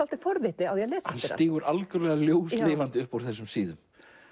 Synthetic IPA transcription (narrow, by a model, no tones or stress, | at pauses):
al̥t̪ɪfɔɾvɪt̪ɪaðjɛɣlɛːsaanst̪iːɣʏɾalkʏlɛːɣaljoːwsɪːvant̪ɪʏhpawɾ̥θɛsːʏmsiːðʏm